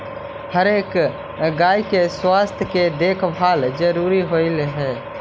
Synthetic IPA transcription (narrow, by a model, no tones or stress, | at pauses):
həɾeːk | ɡaːikeswaːst̪ʰjked̪eːkʰbʱaːld͡ʒəɾuːɾiɦoɪlɦɛː